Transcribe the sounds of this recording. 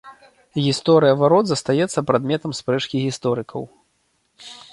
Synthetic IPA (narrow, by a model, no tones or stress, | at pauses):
ɣʲist̪ɔɾɨjɐvaɾɔd̪zɐst̪ajɛt̪sːɐpɾad̪mʲɛt̪ɐmspɾɛt͡ʂkʲiɣʲist̪ɔɾɨkʰɐw